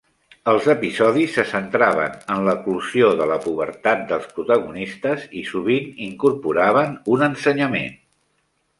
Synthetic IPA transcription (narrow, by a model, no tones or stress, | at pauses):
əlˠzəpizɔðisːəsənt̪ɾaβ̞ə̰nənləkluzioðələpuβ̞ə̰ɾt̪at̪̚d̪əlˠspɾut̪əɣunist̪əzisuβ̞iniŋkuɾpuɾaβ̞ənunənsəɲəmḛn